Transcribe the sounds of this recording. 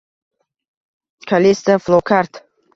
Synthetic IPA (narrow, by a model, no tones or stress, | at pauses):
kʰalʲest̪aflˠokʰaɾt̪